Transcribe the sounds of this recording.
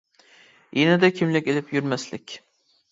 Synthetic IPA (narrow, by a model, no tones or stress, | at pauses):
jenad̪akʲʰɪmlɪkʲelɪpjyɾmaslɪkʲ